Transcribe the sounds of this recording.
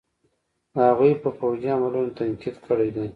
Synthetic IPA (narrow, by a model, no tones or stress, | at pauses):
haɣujpəpawziamalunot̪ankid̪kʰəɽejd̪ej